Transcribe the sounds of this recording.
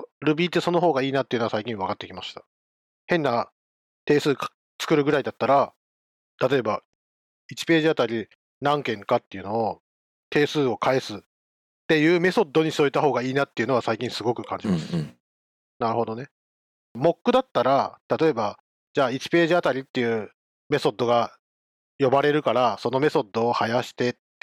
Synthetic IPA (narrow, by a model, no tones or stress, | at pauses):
ɾɯ̟bʲiːt̪ːe̞so̞no̞ɦo̞ːɡaiːnat̪ːeɯ̟no̞asaikʲĩβakat̪ːe̞kʲimaɕi̥t̪ḁ | hẽ̞nːa | t̪e̞ːsɨːk | t͡sɨ̥kɯ̟ɾɯ̟ɡɯ̟ɾaid̪at̪ːaɾa | t̪at̪o̞e̞ba | it͡ɕi̥pe̞ːʑiat̪aɾʲi | nãŋkẽ̞ŋkat̪ːe̞jɯ̟no̞ː | t̪e̞ːsɨːo̞kae̞sɨ | t̪ːe̞jɯ̟ːme̞so̞d̪ːo̞ɲ̟isoit̪aɦo̞ːɡaiːnat̪ːe̞iɯ̟no̞β̞asaikʲĩsɨɡo̞kɯ̟kãɲ̟d͡ʑimasɨ̥ | naɾɯ̟ho̞d̪o̞ne̞ | mo̞kːɯ̟d̪at̪ːaɾat̪at̪o̞e̞ba | d͡ʑaːit͡ɕi̥pe̞ːʑiat̪aɾʲit̪ːe̞jɯ̟ː | me̞so̞d̪ːo̞ɡa | jo̞baɾe̞ɾɯ̟kaɾaso̞no̞me̞so̞d̪ːo̞ːhajaɕi̥t̪e̞t